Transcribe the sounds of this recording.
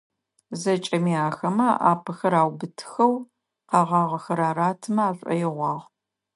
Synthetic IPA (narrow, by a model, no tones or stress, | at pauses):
zɐt͡ʃʼɐmiaːxɐmɐʔa̰ːpʰɐxɐɾaːwbɨtʰxɐw | qɑːʁɑːʁɐxɐɾaːraːtʰɨmɐaːɕʷʼɔ̰jɪʁʷɑːʁ